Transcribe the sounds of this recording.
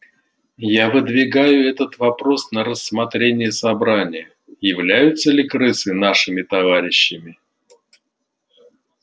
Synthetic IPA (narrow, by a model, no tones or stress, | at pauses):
javɨd̪vʲɪɡajʊɛt̪ət̪vɐpɾo̞snəɾəsːmɐt̪ɾʲenʲɪjəsɐbɾanʲɪjə | jɪvlʲæjʊt̪sːəlʲɪkɾɨsɨnaʂɨmʲɪt̪ɐvaɾʲɪɕːɪmʲɪ